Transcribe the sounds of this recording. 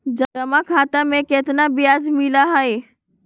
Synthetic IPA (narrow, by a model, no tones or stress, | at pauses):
d͡ʒəəmakʰat̪amẽket̪nabijad͡ʒmilaɦəj